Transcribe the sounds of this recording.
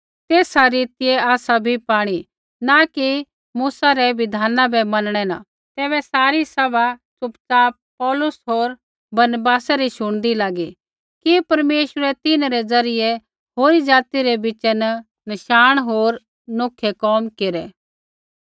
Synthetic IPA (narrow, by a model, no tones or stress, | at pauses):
t̪eːsaɾiːt̪ɪjeaːsabʱipaːɽ̃i | naki | muːsaɾɛʋɪd̪ʱaːnãbɛmɐnɽ̃ɛnã̰ | t̪ɛːbɛsaːɾisɐbat͡sʊpt͡saːp̚pɔːlʊsɦoːɾ | bɐnbaːsaɾiʃʊɽ̃d̪ilaːɡi | kipɐɾmeːʃəɾɛt̪ɪnɾɛd͡zɐɾɪje | ɦoːɾid͡ʒaːt̪iɾebɪt͡ʃɛnə | nɐʃaːɽ̃ɦoːɾ | noːkʰːekɔːmkeːɾɛ